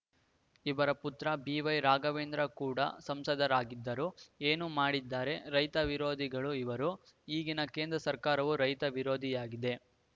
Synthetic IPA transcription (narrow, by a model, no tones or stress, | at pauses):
iʋɐɾɐput̪ɾɐbiːʋɐjɾaːɡɐʋeːnd̪ɾɐkuːɽɐ̰sɐmsɐd̪ɐɾaːɡid̪ːɐɾueːnumaːɽid̪ːaːɾe̞ɾɐjt̪ɐʋiɾo̞ːd̪ʱiɡɐɭuiʋɐɾu | iːɡinɐke̞ːnd̪ɾɐsɐɾkaːɾɐʋuɾɐjt̪ɐʋiɾo̞ːd̪ʱijaːɡid̪e̞